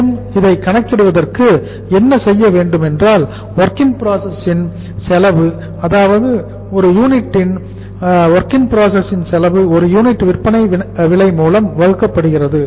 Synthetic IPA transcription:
mɪðɐɪkːɐɳɐkːɪɽɯʋɐðɐrkɯ | ɛnːɐsɛjːɐʋeːɳɖɯmɛndraːl | ʋɐɾkɪŋpɪɾaːsɐsɪn | sɛlɐʋɯ | ɐðaːʋɐðɯ | ɔɾɯjuːnɪʈːɪn | ʋɐɾkɪŋpɪɾaːsɐsɪnsɛlɐʋɯɔɾɯjuːnɪʈːʋɪrpːɐnɐɪʋɪɭɐɪmuːlɐmʋɐɻɯkːɐpːɐɽɯɣɪrɐðɯ

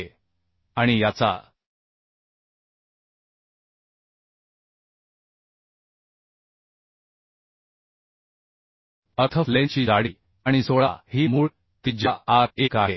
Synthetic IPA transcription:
e | aɽ̃ijat͡sa̰ | ət̪ʰəflẽt͡ɕiːd͡zaɽi | aɽ̃isoɭa̰hiːmuːɭ | t̪id͡ʑaʔaɾekaɦe

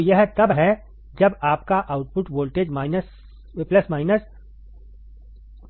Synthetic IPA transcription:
jɐɦt̪ɐbɦɛ | d͡ʒɐbaːp̚kaʔaːʊʈpʊʈʋoːlʈeːd͡ʒmaːɪnəs | plɐsmaːɪnəs

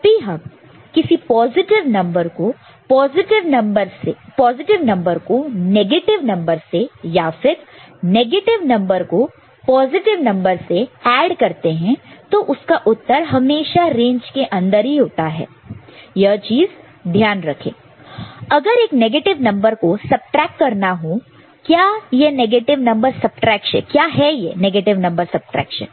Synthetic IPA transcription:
piɦɐb | kɪsipɔːzɪʈɪʋnɐ̃mbəɾko | pɔːzɪʈɪʋɐbəɾsepɔːzɪʈɪʋnɐ̃mbəɾkoneːɡeːʈɪʋnɐ̃mbəɾsejaːfɪɾneːɡeːʈɪʋnɐ̃mbəɾko | pɔːzɪʈɪʋnɐ̃mbəɾseɛːɖkɐɾt̪eɦɛ̃t̪oʔʊskaʔʊt̪ːəɾɦɐmeːʃaɾẽːɲd͡ʒkeʔɐ̃nd̪əɾɦiɦoːt̪aɦɛ̰ːjɐt͡ʃiːz | d̪ʱjaːnɾɐkʰḛ̃ː | ɐɡəɾeːkneːɡeːʈɪʋnɐ̃mbəɾkosɐb̚ʈɾɛːkːɐɾnaɦo | kjaːjeneːɡeːʈɪʋnɐ̃mbəɾsɐb̚ʈɾɛːkʃɛ̰̃kjaːɦɛjeːneːɡeːʈɪʋnɐ̃mbəɾsɐb̚ʈɾɛ̰ːkʃə̰̃n

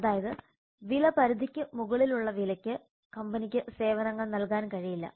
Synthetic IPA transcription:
ɐðaːjɐðɨ | ʋilɐpɐɾud̪ʱikʲːɨmuɣɐɭiluɭːɐʋilɐkʲːɨ | kɐmbɐnikʲːɨse̞ːʋɐnɐŋːɐɭnɐlkaːnkɐɻijilːɐ̰

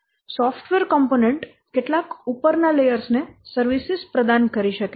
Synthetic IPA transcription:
sɔfʈʋeɾkɔmponeɳʈ | keʈlakupəɾnalejəɾsnesəɾʋisispɾəd̪ankəɾiʃəke

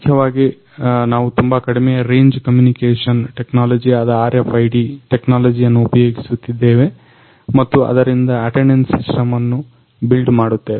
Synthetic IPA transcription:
kʰjɐʋaːɡi | naːʋut̪umbɐkɐɽimɛjɐɾe̞ːɲd͡ʒkɐmjuːnikeːʂɐnʈeknaːlɐd͡ʒiɐd̪ɐaːɾjɐpʰɐjɖiʈeknaːlɐd͡ʒijɐnːuupɐjoːɡisut̪ːid̪ːe̞ːʋe̞ | mɐt̪ːuɐ̰d̪ɐɾind̪ɐɐʈenensisʈɐmɐnːu | bilɖmaːɽut̪ːeːʋe

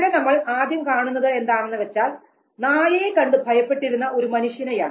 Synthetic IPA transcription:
ɽenɐmːɐɭaːd̪ʱjɐmkaːɳunːɐðɨe̞nd̪aːɳenːɨʋe̞t͡ɕːaːl | naːjɐjekɐɳɖɨbʱɐjɐpːe̞ʈːiɾunːɐʔo̞ɾumɐnuʂjɐnɐja̰ːɳ

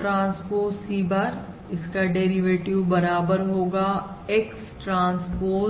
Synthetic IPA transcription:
ʈɾãːnspoːsiːbəɾ | ɪskaɖeːɾiʋeːʈɪʋbɐɾaːbəɾɦoːɡaːeks | ʈɾãːnspoː

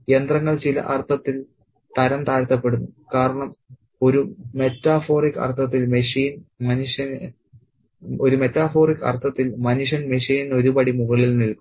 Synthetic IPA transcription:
e̞nd̪rɐŋːɐɭt͡ɕilɐ̰ʔɐrt̪ʰːɐt̪ːil | t̪ɐɾɐnt̪aːɾt̪ːɐpːe̞ɽunːukaːɾɐɳɐm | o̞ɾume̞tːaːfo̞ːrikːɐ̰rt̪ʰːɐt̪ːilmeʂiːnmɐniʂjɐn | oɾume̞t̪ːaːfo̞ːrikːɐ̰rt̪ʰːɐt̪ːilmɐniʂɐnmeʂiːnino̞ɾupɐɽimuɣɐɭilnilku

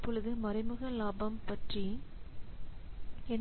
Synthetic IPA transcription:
pːɔɻɯðɯmɐɾɐɪmɯɣɐlaːbɐmpɐʈri | ɛn

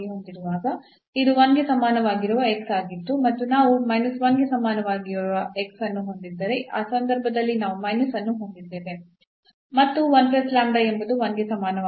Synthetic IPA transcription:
eɦo̞nd̪iɾuʋaːɡɐ | id̪uʋɐnɡesɐmaːnɐʋaːɡiɾuʋɐeksaːɡit̪ːumɐt̪ːunaːʋumɐjnɐsʋɐnɡesɐmaːnɐʋaːɡiɾuʋɐeksɐnːuɦo̞nd̪id̪ːɐɾeʔaːsɐnd̪ɐɾbʱɐd̪ɐlːinaːʋumɐjnusɐnːuɦo̞nd̪id̪ːeːʋe | mɐt̪ːuʋɐnpeslaːɳɖɐembud̪uʋɐnɡesɐmaːnɐʋ

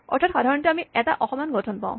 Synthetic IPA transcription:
ɔ̰ɹtʰatxadʱaɹɔntuamiɛta̰ʔɔxɔmanɡɔtʰɔnpa̰ʊ̃

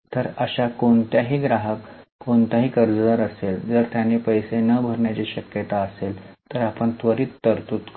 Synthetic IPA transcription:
t̪əɾəɕakoɳt̪jaɦiːɡɾaɦəkːoɳt̪aɦiːkəɾd͡zəd̪aɾəseld͡zəɾt̪janːipəjsenəbʱəɾɳjat͡ɕiːɕəkjət̪aəselt̪əɾapəɳt̪ʋəɾiːt̪ːəɾt̪uːt̪

